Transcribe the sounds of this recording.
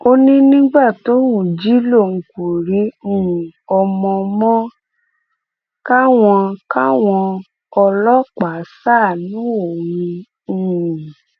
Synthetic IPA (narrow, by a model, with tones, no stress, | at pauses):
o˦nĩ˦nĩ˦ɡ͡ba˦˨to˨˦wũ˨d͡ʒi˦lo˦˨ŋ̩˨˧ku˨ɾĩ˨˦˨ɔ˧mɔ̃˧mɔ̃˦ | ka˦w̃ɔ̃˧ka˦w̃ɔ̃˧ | ɔ˧lɔ˦k͡pa˨˦sa˦˨nũ˨˦o˨ɾĩ˧˦˧ | ĩ˨